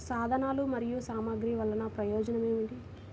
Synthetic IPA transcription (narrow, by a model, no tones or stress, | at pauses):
saːd̪ʱɐnaːlumɐɾijusaːmaːɡɾiʋɐlːɐnɐpɾɐjɔːd͡ʒɐnɐmeːʋuɳɖi